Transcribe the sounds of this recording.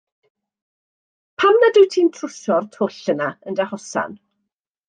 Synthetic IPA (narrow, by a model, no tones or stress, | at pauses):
pʰamnadɪwtʰiːntʰrʊʃɔrtʰoɬənaəndahɔsa̰n